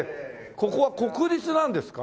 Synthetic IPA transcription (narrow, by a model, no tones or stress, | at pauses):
ko̞ko̞β̞ako̞kɯ̟ɾʲit͡sɨnãnd̪e̞sɨ̥ka